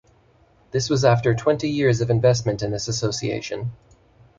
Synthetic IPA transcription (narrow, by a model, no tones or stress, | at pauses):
ðɪswʌzæftə˞tʰw̥ɛ̃ntijɪɹzʌvɨ̃ɱvɛstmɨ̃ntɨ̃nðɪsɨsoʊsiḛɪʃɨ̃n